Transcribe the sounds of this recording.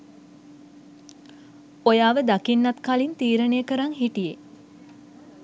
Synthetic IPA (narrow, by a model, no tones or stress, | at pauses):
ojaːʋəd̪akinːat̪kalint̪iːɾəneːəkəɾaŋɦiʈije